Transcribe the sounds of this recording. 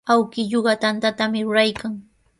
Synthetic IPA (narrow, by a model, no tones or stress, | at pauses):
awkɪʎoɢɑt̪ant̪at̪amɪɾʊɾajkaŋ